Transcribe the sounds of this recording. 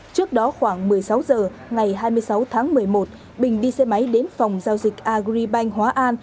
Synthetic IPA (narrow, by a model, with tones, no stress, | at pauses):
t͡ɕɨ˦˥ək̚ɗɔ˨˦xwaː˧˩ŋmɨ˨˩əjsa˨˦wzəː˨˩ŋa˨˩jɦaː˧jmɨ˧əjsa˨˦wt̪ʰaː˨˦ŋmɨ˨˩əjmo˨˩t̚ | ɓï˨˩ŋ̟ɗi˧sɛ˧ma˨˦jɗe˨˦nfa˨˩wŋ͡mzaː˧wzï˨˩k̚ʔaː˧ɣɾi˧ɓa˧jŋ̟ɦwaː˨˦ʔaː˧n